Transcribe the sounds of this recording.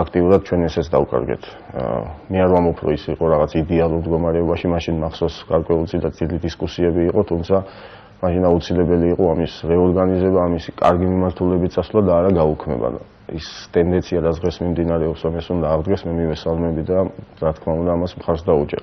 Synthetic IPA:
akʰt̪ʼiuɾad̪̚t͡ʃʰwɛnɛsɛt̪sʰd̪aukʼa̰ɾɡɛ̰t̪ʰ | mɛaɾvambɔpʰɾɔ̰isiqʼɔɾaʁat̪sʰaid̪ɛalˠuɾmd̪ɡɔmaɾɛɔbaʃimaʃinmaχsɔsɡ̥aɾkʼwɛult̪sʼid̪azʼid̪id̪iskʼusiɛbiːqʼɔt̪ʰumt̪sʰa | maʃinaut̪sʰilɛbɛliːqʼɔamisɾɛɔɾɡanizɛbaːmisikʼa̰ɾɡimimaɾt̪ʰulɛbit̪sʼaslˠad̪aːɾaɡaukʰmɛ̰ba̰n̰ | ḭst̪ʼɛnd̪ɛnt̪sʰiad̪azʁɛsmimd̪inaɾɛɔpsɾɔmɛsund̪aːʁd̪ɡɛsmɛmivɛsalˠmɛbid̪aɾat̪ʰkʰmaund̪aːmasmχaɾsd̪aut͡ʃʼɛ̰ɾa

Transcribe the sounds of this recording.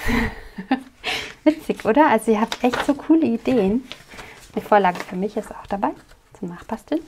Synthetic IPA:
vɪt͡sɪçʔoːɾɐʔalzoiːɐɦap̚tʔɛçtz̥oːkʰuːləideːən | mɪfoːɐlaːɡəfyːɐmɪçɪstaʊxd̥abaɪ | t͡sʊmnaːχpʰastl̩n

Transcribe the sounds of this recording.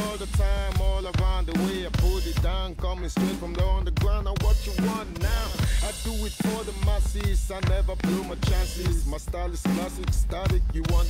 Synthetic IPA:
ɔlˠðətʰãɪ̃mɔlˠəɹãʊ̃nðəweɪaɪpʰʊlˠdɨt̚dãʊ̃nkʰʌ̃mɨ̃nstɛ̃fɹʌ̃mðəõndəɡlanəwʌt͡ʃəwɑ̃nnaʊaɪduwɪðfɔðəmasizaɪnɛvə˞blumat͡ʃæ̃nsɪsmastalɪskʰlæsɪkstaɾɪkjɨwɑ̃n

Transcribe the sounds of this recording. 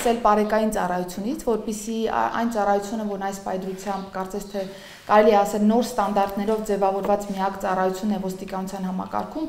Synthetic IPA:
sɛlpɑɾɛkɑjint͡sɑrɑjut͡sʰjunit͡sʰvɔɾpisiɑ̰jnt͡sɑrɑjut͡sʰjunəvɔɾnɑjspɑjd̪ɾut͡sʰjɑmbkɑɾt͡sɛsʰt̪ʰɛ | kɑɾɛliɛɑsɛlnɔɾst̪ɑnd̪ɑɾt̪nɛɾɔvd͡zɛvɑvɔɾvɑt͡smiɑkt͡sɑrɑjut͡sʰjunːɛvɔst̪ikɑnut͡sʰjɑn̪ɦɑmɑ̰kɑ̰ɾkʰum

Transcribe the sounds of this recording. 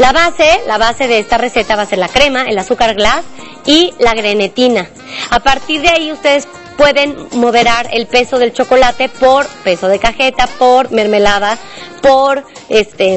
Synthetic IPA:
laβase̞laβase̞ðe̞est̪are̞se̞t̪aβase̞ɾlakɾe̞maelasukaɾɣlas | ilaɣɾe̞ne̞t̪ina | apaɾt̪iɾðeaiust̪e̞ðe̞s | pwe̞ðe̞nmo̞ð̞e̞ɾaɾe̞lpe̞so̞ðe̞lt͡ʃo̞ko̞lat̪e̞po̞ɾpe̞so̞ðe̞kaxe̞t̪apoɾme̞ɾme̞lað̞a | poɾest̪e

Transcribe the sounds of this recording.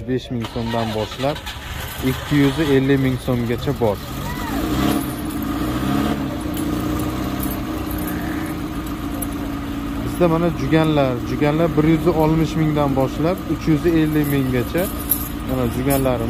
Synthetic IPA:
be̞ʃmɪŋsomd̪anbɒʃlap̚ | ekʲʰːɪjʏzɪe̞lːɪmɪŋsomɡʲat͡ʃʰabɒɾ | bɪzd̪amanad͡ʒʊɡʲanlaɾd͡ʒʊɡʲanlaɾbɪɾjʏzɪɒlˠmɪʃmɪŋd̪anbɒʃlap̚ʊt͡ʃʰjʏzɪe̞lːɪmɪŋɡʲat͡ʃʰa | manad͡ʒʊɡʲanlaɾɪ

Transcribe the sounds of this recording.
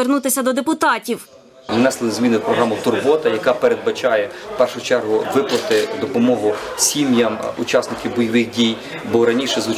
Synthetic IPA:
ernut̪ɪsʲɐd̪ɔd̪epʊt̪ɑtʲiw | mɪnɑsˠnʲzʲmʲinɪpɾɔɦɾamʊt̪ʊrbɔt̪ɐjɐkɑpeɾed̪̚bɐt͡ʃɑjɛpɛrʃʊʊt͡ʃɛrɦʊʋɪplˠɐt̪ɪd̪ɔpɔmɔɦʊsʲimjɐmʊt͡ʃasnɪkʲiwbɔjɐʋɪxdʲij | bɔɾɐnʲiʃɛzʊ

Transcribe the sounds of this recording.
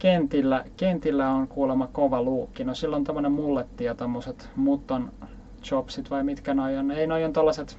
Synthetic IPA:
kent̪ilːækent̪ilːæonkuːlemɑkoʋɑluːkːinosilːont̪omːonemmulːet̪ːiɑt̪omːoset̪mut̪ːon | t͡ʃopsit̪ʋɑimit̪kænojoneinojont̪olːɑset̪

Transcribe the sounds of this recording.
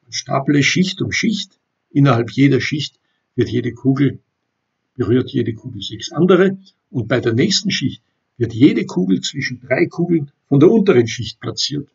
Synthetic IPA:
asʃta̰ːpləʃɪçtʊntʃɪçt | ʔɪnɐhalpʰjeːdɐʃɪçt | v̥ɪɐtjeːdəkʰuːɡl̩ | b̥əʁyːɐtjeːdəkʰuːɡl̩z̥ɛksʔandəʁə | ʊnt̚b̥aɪdeːɐnɛːçstn̩ʃɪçt | v̥ɪɐtjeːdəkʰuːɡl̩t͡sv̥ɪʃn̩d̥ʁaɪkʰuːɡl̩nfɔndeːɐʊntəʁənʃɪçt̚plat͡siːɐt

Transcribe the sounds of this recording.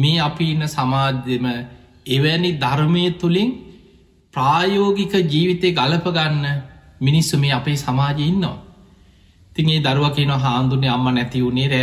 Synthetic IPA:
meːapiːnːəsamaːd͡ʒemə | eʋænid̪ʱaɾməjət̪uliŋ | praːjoːɡikəd͡ʒiːʋit̪eːɡaləpəɡanːəminisːumeːapeːsamaːd͡ʒeinːɐʋa̰ | et̪iŋeːd̪aɾuʋakeːnoʋaɦaːnd̪unːeamːanɛt̪iunːeːɾæ

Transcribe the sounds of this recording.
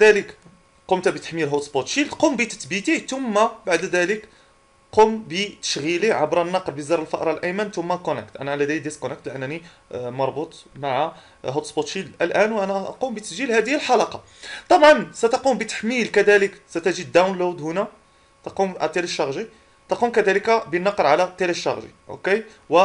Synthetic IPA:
d̪ælək | qomt̪bət̪ə̥ħmilɦot̪sbot̪ʃilt̪qumbit̪ə̥t̪bit̪it̪ʊmːabaʕd̪d̪ælək | qombət̪ə̥ʃɣiliʕabɾˤɑnːɑqɾbizɑɾˤəlfɑʔɾˤɑlʔæmænt̪ʊmːækonækt̪ʔænæʕlæd̪æjd̪iskonæk̚t̪lʔənːænimɑɾˤbut̪ˤmaʕa | ɦot̪sbot̪ˤʃiʔəlʔænwʔænæʔɑ̰qumbət̪əsʒilhæd̪əhəlħɑlɑqɑ | t̪ˤɑbʕɑnsæt̪ɑqumbət̪ə̥ħmilkæd̪æləksæt̪æʒid̪ːawnlod̪hʊnæ | t̪ɑqumt̪ˤːeliʃːɑɣʒi | t̪ɑqumkæd̪æləkabənːɑqɾʕalæt̪ˤeliʃːɑɣʒḭʔo̰ke | wə

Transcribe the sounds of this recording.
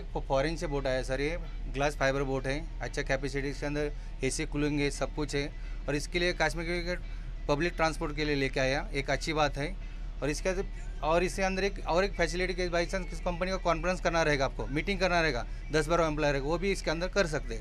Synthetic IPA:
ekpʰɔːɾẽnseboːʈaːjasɐɾiɛɡlaːspʰaːɪbəɾboːʈɦɛ | ɐtːʃʰakɛːpɛs̬ɪʈiskeɐ̃nd̪əɾ | ɦesekʊluɪ̃ŋɡɦɛsɐb̚kʊt͡ʃʰɦɛ | ɔːɾɪskeliekaːsmɪkike | pɐblɪk̚ʈɾãːnspoːɾʈkelieleːkeaːjaeːkɐtːʃʰibaːt̪ɦɛ | ɔːɾɪske | ɔːɾɪskeɐ̃nd̪əɾeːkɔːɾeːkpʰɛːsɪlɪʈikebaːɪsɐ̃nkɪskɐ̃mpənikakɔːnfɾə̃nskɐɾnaɾɐɦeːɡaːp̚komiːʈɪ̃ŋɡkɐɾnaɾɐɦeːɡaː | d̪ɐs̬baːɾoɛ̃mp̬lɔːjɾɦeːɡaʋobʱiɪskeɐ̃nd̪əɾkɐɾs̬ɐk̚t̪eɦɛ

